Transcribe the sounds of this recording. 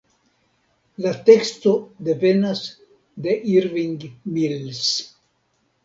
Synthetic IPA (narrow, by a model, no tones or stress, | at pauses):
lat̪ekst̪od̪e̞penas | d̪eʔiɾviŋɡmils